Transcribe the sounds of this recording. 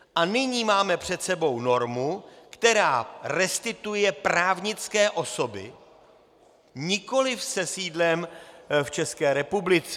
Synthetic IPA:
ʔanɪɲiːmaːmɛpr̝̥ɛt̪sɛbo̞wno̞ɾmukt̪ɛɾaːrɛst̪ɪt̪ujɛpɾaːvɲɪt͡skɛːʔo̞so̞bɪ̰ | ɲɪko̞lɪfsɛsiːdlɛmft͡ʃɛskɛːɾɛpublɪt͡sɛ

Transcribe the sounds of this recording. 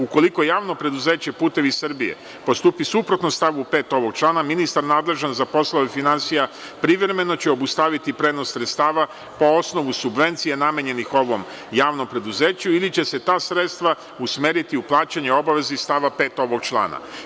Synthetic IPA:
uko̞liko̞jaːʋno̞pɾe̞d̪uze̞ːt͡ɕe̞puːt̪e̞ʋisr̩bijḛ | po̞st̪uːpisupɾo̞t̪nomst̪aʋbupe̞ːt̪o̞ʋo̞ɡ̚t͡ʃlˠaːnaminist̪aɾnaːd̪le̞ʒanzapo̞slˠoʋefinansija | pɾiʋɾeme̞no̞t͡ɕe̞o̞bust̪aːʋit̪ipɾe̞ːd̪no̞ssɾet̪st̪aːʋa | po̞osno̞ʋusubʋe̞nt̪sijename̞ɲe̞nixo̞ʋo̞m | jaːʋno̞mpɾe̞d̪uze̞ːt͡ɕuilit͡ɕe̞se̞t̪aːsɾe̞t̪st̪ʋa | usmeːɾit̪iuplˠaːt͡ɕaɲeo̞baʋe̞zist̪aːʋape̞ːt̪o̞ʋo̞ɡ̚t͡ʃlˠa̰ːna̰

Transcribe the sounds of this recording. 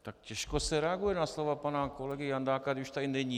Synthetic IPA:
t̪akcɛʃkosɛɾɛaɡujɛnaslovapanakolɛɡɪjand̪aːkad̪ɪuʃt̪aɪnɛɲi

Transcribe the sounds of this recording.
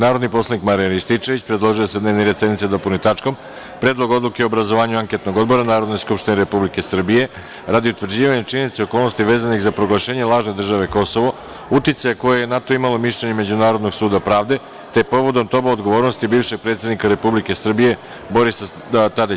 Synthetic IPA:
naːɾo̞d̪nipo̞slˠanikmaɾijanist̪it͡ʃeʋit͡ɕpɾed̪lˠo̞ʒijosed̪neʋneɾe̞d̪sed̪nit̪sed̪o̞pulnit̪at͡ʃkom | pɾe̞ːd̪lˠo̞ɡo̞d̪lˠukeobɾazoʋaːɲuaŋket̪no̞ɡo̞d̪bo̞ɾanaːɾod̪no̞jskupʃt̪ineɾe̞publike̞sr̩bije̞ | ɾad̪iut̪ʋr̩d͡ʑiːʋaɲet͡ʃininit̪seo̞kolno̞st̪iʋeːzanixzapɾo̞ɡlˠaʃe̞ːɲelˠaːʒne̞d̪r̩ʒaʋe̞ko̞so̞ʋo̞ | ut̪it̪sajeko̞jejenat̪o̞imalo̞miʃʎeɲeme̞d͡ʑunaːɾo̞d̪no̞ɡsuːd̪apɾaːʋd̪e̞ | t̪e̞po̞ʋo̞d̪o̞mt̪o̞baod̪ɡo̞ʋo̞ːɾno̞st̪ibiːvʃe̞ɡ̚pɾet̪sʲed̪nikaɾe̞publike̞sr̩bije̞ | bo̞ɾisa | t̪ad̪it͡ɕ

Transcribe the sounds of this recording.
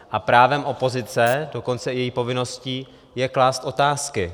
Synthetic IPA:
ʔapɾaːvɛmʔo̞po̞zɪt͡sɛdo̞ko̞nt͡sɛjɛjiːpo̞vɪno̞sciː | jɛklaːst̪ʔo̞t̪aːskɪ

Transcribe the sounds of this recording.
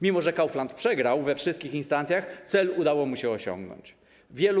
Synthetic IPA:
mʲimɔʐɛkawflant̪̚pʂɛɡɾawvɛfʂɘst̪̚kʲixinst̪ant̪sʲjaxt̪sɛlud̪awɔmuɕɛɔɕɔ̰̃ŋɡnɔ̰ɲt͡ɕ | vʲjɛlu

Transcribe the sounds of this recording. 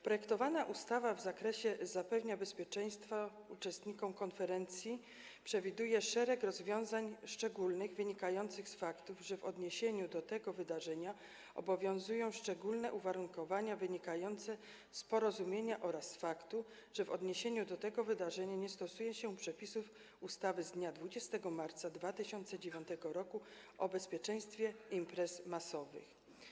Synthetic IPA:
pɾɔjɛkt̪ɔvanaʔust̪avavzakɾɛɕɛzapɛvɲabɛspʲjɛt͡ʂɛj̃st̪fa | ut͡ʂɛst̪ɲikɔ̃w̃kɔnfɛɾɛnt̪sʲji | pʂɛvʲid̪ujɛʂɛɾɛkɾɔzvʲjɔ̃w̃zaɲʂt͡ʂɛɡulnɘɣvɘɲikajɔnt̪sɘxsfakt̪uvʐɛvɔd̪ɲeɕeɲud̪ɔt̪ɛɡɔvɘd̪aʐɛɲa | ʔɔ̰bɔvʲjɔ̃w̃zujɔ̃w̃ʂt͡ʂɛɡulnɛʔuvaɾuŋkɔvaɲavɘɲikajɔnt̪sɛ | spɔɾɔzumʲjeɲaʔɔɾasfakt̪u | ʐ̥ɛvɔd̪ɲeɕeɲud̪ɔt̪ɛɡɔvɘd̪aʐɛɲaɲɛst̪ɔsujɛɕɛpʂɛpʲisuf | ust̪avɘzd̪ɲad̪vud͡ʑɛst̪ɛɡɔmaɾt̪sad̪vat̪ɘɕɔnt̪sɛd͡ʑevʲjɔ̃nt̪ɛɡɔɾɔku | ʔɔbɛspʲjɛt͡ʂɛ̃j̃st̪fʲjɛimpɾɛsmasɔvɘ̰x

